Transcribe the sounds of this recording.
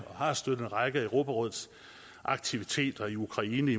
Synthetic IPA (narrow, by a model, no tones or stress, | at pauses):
ɒ̽hɑ̈sd̥øð̩ˠenʁɑ̈ɪɡ̥əəʊʁo̝ːb̥ʰæʁɔ̽ð̞̰ˠs | ʔɑ̈ɡ̥̚t͡sʰiʋit͡sʰe̝̰ːd̥ɐiukʰʁɑ̈iːnəi